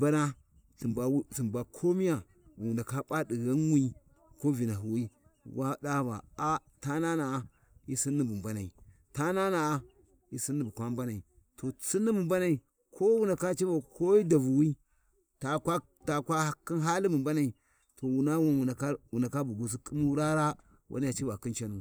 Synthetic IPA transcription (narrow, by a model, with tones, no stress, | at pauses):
ba˦na˦ | si˨mba˨wsi˨mba˨kʰo˦mi˦ja˨ | wu˨nda˨ka˦pa˦di˨ɣa˦nwi˦i˦ | ko˦vi˨na˨ɦu˨wi˦ | wʔa˦ɗa˦ba̰˨a˦ | ta˦na˦na˨ | i˦si˦nːi˦bu˨mba˦na˨ḭ˨ | ta˦na˦na˨a˦ | i˨si˦nːi˨bu˨kʷa˦mba˦na˨i˨ | to˨si˦nːi˦bu˨mba˦na˨i˨ | kʰo˦wu˦nda˨ka˦t͡ʃi˦ba˨ko˦i˦da˨vu˨wi˦ | ta˨ka˦ | ta˨ka˦ki˦ɦa˦li˦bu˨mba˦na˨i˨ | to˨wu˨na˦wu˦wu˨a˨ka˦wu˨na˨ka˦bu˨ɡu˨s̬i˦ki˦mu˦ɾa˦ɾa˦ | wʔa̰˦n˦a˨t͡ʃi˦ba˨ki˦nt͡ʃa˦nu˨